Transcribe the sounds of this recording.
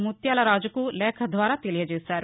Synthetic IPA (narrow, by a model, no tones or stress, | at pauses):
mut̪jaːlɐɾaːd͡ʒukulɛːkʰɐd̪ʋaːɾaːt̪elijɐd͡ʒeːsaːɾu